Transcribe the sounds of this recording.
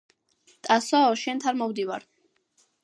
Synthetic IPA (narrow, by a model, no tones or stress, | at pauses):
t̪ʼasɔːʃɛnt̪ʰaɾmɔwd̪iva̰ɾ